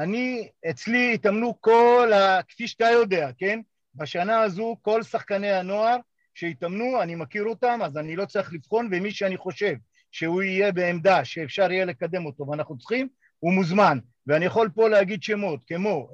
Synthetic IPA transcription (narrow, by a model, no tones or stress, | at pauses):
aniet͡sliːtamnuko̞lakfiʃtajo̞d̪e̞ake̞n | baʃanaːzuko̞lsaχkanehano̞aʁ | ʃe̞it̪amnuanimakiʁo̞tamazanilo̞t͡siχlifχo̞nve̞miʃeaniχo̞ʃe̞v | ʃe̞huije̞be̞ːmd̪aʃe̞ːfʃaʁijele̞kad̪e̞mo̞to̞veanaχnut͡sχim | umuzman | veanijaχo̞lpo̞leaɡid̪ʃe̞mo̞t̚kemo̞